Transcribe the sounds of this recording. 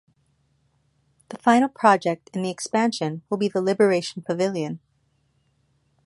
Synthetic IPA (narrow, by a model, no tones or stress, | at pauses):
ðəfãɪ̃nl̩ˠpʰɹ̥ɑd͡ʒɛk̚tɨ̃nðiɨkspæ̃nʃɨ̃nwəlˠbiðəlɪbə˞eɪʃn̩pʰɨvɪlˠjɨ̃n